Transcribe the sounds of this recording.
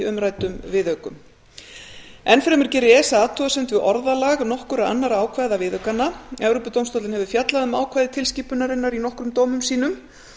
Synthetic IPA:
ʏmɾaːjt̪ʏmvɪðœɥkʏm | ɛnfɾɛmʏɾ̥cɛɾɪɛːsaat̪ʰuasɛmt̪vɪðʔɔɾðalaɣnɔhkʏɾaa̰nːaɾaaːwkʰvajðavɪðœɥkanːaɛvɾopʏt̪owmst̪ot̪lɪnɦɛvʏ̥fjat̪laðʏmaːwkʰvajðɪt̪ʰɪlsciːpʏnaɾɪnːaɾinɔhkɾʏmt̪oːwmʏmsiːnʏm

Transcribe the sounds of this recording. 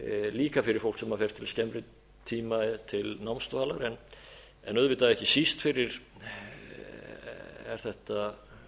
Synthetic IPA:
liːkafɪɾɪɾfowlksɛmaɾfɛɾ̥t̪ʰːɪlscɛmɾɪ | t̪ʰiːmat̪ʰɪlnawmst̪faːlaɾɛn | ɛ̰nœðvɪt̪ːaɛhcɪsist̪fɪɾɪɾ | ɛ̰ɾ̥θɛht̪a

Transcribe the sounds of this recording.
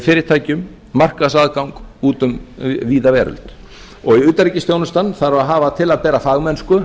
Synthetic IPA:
fɪːɾɪɾ̥t̪ʰaːjcʏmː | ar̥kaðsaːðkawŋkuːt̪ʏmviːðavɛːɾʏ̰l̥t̪ | ɔɣiʏːt̪aɾiːcɪst̪jownʏst̪anθaɾaðɦaːvat̪ʰɪlaðpɛːɾafaːɣmɛnskʏ

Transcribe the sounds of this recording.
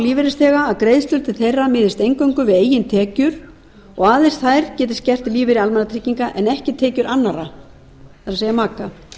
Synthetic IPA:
liːvɪɾɪst̪θɛːɣaːðkɾejðst̪ʏl̥t̪ɪθejramɪːðɪst̪ejŋkœɥŋkʏvɪðeːjːɪnt̪ʰɛːcʏɾ̥ | ɔɣaːðenst̪θajɾ̥cɛːt̪ɪst̪cɛr̥t̪liːvɪɾɪalmɛnat̪ʰɾɪːciŋkaʔɛnɛhcɪt̪ʰɛːcʏɾʔanːaɾa | θaɾaseːjamaːka

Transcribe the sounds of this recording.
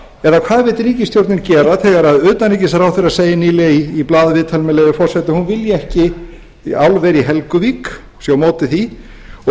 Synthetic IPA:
ɛɾðakʰv̥aːðvɪt̪ɾiːcɪst̪jowɾt̪nɪncɛːɾaθɛɣaɾaðʏːt̪anejcɪsaɾawθeɾaseːjɪniːlɛaiːplaːðvɪːt̪ʰalmɪlɛːðɪfɔr̥sɛt̪ɪhunvɪljɪɛhcɪ | awlvɛːɾiɦɛlkʏviːk | sjawmoːwt̪ɪθi | ɔ

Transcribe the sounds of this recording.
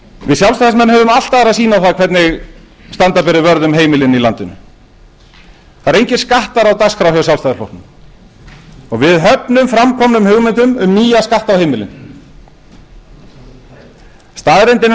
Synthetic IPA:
vɪðsjalst̪ajðasmɛnːhɦœːvʏmal̥t̪aðɾaðsiːnawθaðkʰvɛɾt̪nɪɣ | st̪ant̪aɾpɛɾɪvœɾðʏmɦeːjmɪlɪnilant̪ɪnʏ̰ | θaɾejɲcɪskaht̪aɾawt̪askfɾawhœsjalst̪ajðaslɔ̰rt̪nʏm | ɔɣvɪðɦœpnʏmfɾamkʰɔmnʏmhʏɣmɛnt̪ʏmʏmːiːjaskaht̪awhejmɪlɪ̰n | st̪aːðɾɛjnt̪ɪn

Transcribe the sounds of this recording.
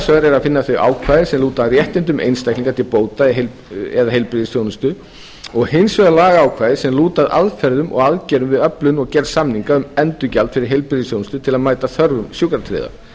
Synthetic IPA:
svœɾɛɾaðfɪnːaθœʏɥʔa̰ːwkʰvaːjðɪsɛmluːt̪aðrjɛht̪ɪnt̪̬ʏmʔḛjnst̪ajkʰniŋkaɾt̪ʰɪlpoːwt̪aɛɦel | ɛ̰ðaɦejlpɾɪðɪsθjownʏst̪ʏ | ɔɣhɪjnsvœɣalaːɣaaːwkʰvaːjðɪsɛmluːt̪aða̰ðfɛɾðʏmʔɔ̰ɣaðcɛɾʏmvɪðœplʏnɔɣcɛɾsamniŋkaʏmɛnt̪ʏcalt̪fɪɾɪɾ̥ɦejlpɾɪðɪsθjownʏst̪ʏt̪ʰɪlaðmaːjt̪aθœɾvʏmsjukɾat̪ʰɾɪ̰ːða̰

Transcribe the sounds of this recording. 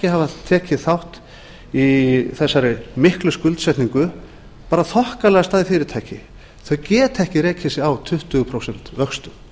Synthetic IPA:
ɛcɪhavat̪ʰːɛːcɪθawht̪ | iθɛsːaɾɪmɪhklʏskʏlt̪sɛjt̪niŋkʏ | paːɾaθɔhkalɛɣast̪aːðɪfɪːɾɪɾt̪ʰajhcɪ | θœɥcɛːt̪ʰɛhcɪɾeːjcʰɪsɪawt̪ʰʏht̪ʏɣʏpʰɾowsɛn̥t̪vœxst̪ʏm

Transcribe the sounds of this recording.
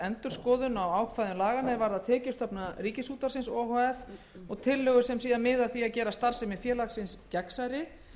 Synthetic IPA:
ɛnt̪ʏɾ̥skɔːðʏnawaːwkʰfajðʏmlaːɣanavaɾðaðt̪ʰɛːcɪ̥st̪ɔpnariːcɪshuːt̪aɾsɪnsɔːɦɔɛf | ɔɣt̪ʰɪlːœːɣʏsɛmsiːðamɪðaθiaðcɛːɾast̪aɾ̥sɛmɪfjɛːlaksɪnscɛksaɾɪ

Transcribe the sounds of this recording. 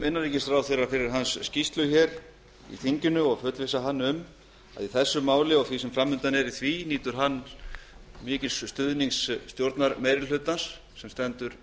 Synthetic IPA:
mɪnːaɾiːcɪst̪ɾawθeɾafɪɾɪɾ̥ɦansːcist̪lʏçɛɾ | ḭθiɲcʏnʏɔɣfœːt̪lvɪsaɦanːʏm | a̰ðiθɛsːʏmːaːwlɪɔɣθvisɛmfɾamːʏnt̪anɛɾiθviniːt̪ʏɾ̥ɦanː | mɪːcɪsst̪ʏðniŋsːt̪jowɾt̪naɾmejɾɪlʏt̪ːansː | ɛmst̪ɛnt̪ʏɾ̥

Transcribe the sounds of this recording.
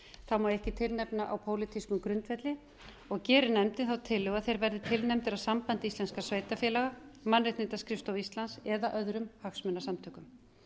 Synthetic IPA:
θawmaðɛhcɪt̪ʰɪlnɛpnaʔawpʰoːwlɪt̪ʰiskʏmkɾʏnt̪fɛt̪lɪ | ɔɣcɛːɾʏnɛmt̪ɪnθawt̪ʰɪlːʏɣaðθejɾvɛɾðɪt̪ʰɪlnɛmt̪ɪɾawsampant̪ɪisɛnskasveːjt̪afjɛlaɣamanrɪt̪nɪt̪askɾɪft̪awist̪lansɛðaʔœðɾʏmhaksmʏnːasamt̪ʰœːkʏm

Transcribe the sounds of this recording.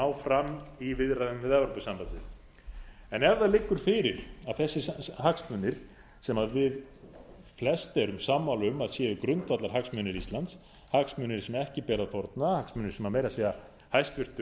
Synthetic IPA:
awfɾamːivɪðɾaðʏnvɪðɛvɾowpʏsampat̪ɪ | ɛnɛɾðaðlɪkːʏɾ̥fɪɾɪɾaðθɛsːɪhaksmœnːɪɾ̥ | sɛmaðvɪð | flɛst̪ɛɾʏmsaːmːawlʏmaðsjɛːʏkɾʏnt̪vat̪laɾ̥ɦaksmʏnɪɾist̪lant̪s | haksmʏnɪɾ̥sɛmɛhcɪpɛːɾaðfɔɾt̪nahaksmʏːnɪɾ̥sɛmaɾmeːjɾasɛːɣa | hajst̪vɪr̥t̪ʏ

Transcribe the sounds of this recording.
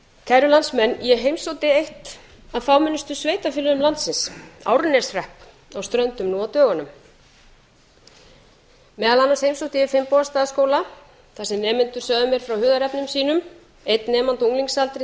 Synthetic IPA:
kʰajɾʏlansmɛnːjɛɦejmsowt̪ɪejht̪ | aðfaːwmɪnːʏst̪ʏsveːjt̪afɪːlʏðʏmlant̪sɪnsa̰ːwɾʏnːɛ̥srɛhp | awst̪ɾœnt̪ʏmnuawt̪œːɣanʏm | mɛːðalanːanshejmsowt̪ɪɛfɪmpɔːðast̪aːðaskoːwla | θasɛmnɛːmɪnt̪ʏ̥sœːðʏmjɛɾ̥fɾawhʏːðaɾɛpnʏmsiːnʏm | ejt̪nɛːmant̪uŋliŋsalt̪ɾɪ

